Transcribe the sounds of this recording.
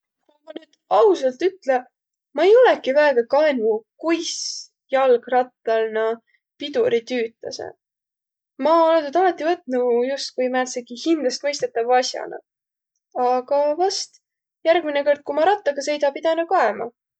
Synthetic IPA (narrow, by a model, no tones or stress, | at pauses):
kumɑnyːd̪̥ɑusɑlt̪yt̪le | mɑejo̞lɛkivæeɡ̥ɑkɑenvukujs | jɑlɡ̥rɑt̪ːˑɑlnɑ | pid̪uɾit̪yːt̪ːˑɑ̰sḛ | mɑolenyd̪ɑmɑt̪ːˑivɤt̪̚ːˑnujust̪̚kujmæːt̪seɡihind̪lɑst̪mɤjst̪et̪ːɑvɑsʲjɑ̰nɑ̰ | ɑɡ̥ɑvɑst̪ | jærɡ̥mineko̞rd̪̥̚kumɑɾɑt̪ːˑɑɡ̥ɑse̞jd̪ɑpid̪ɑnɑkɑemɑ̰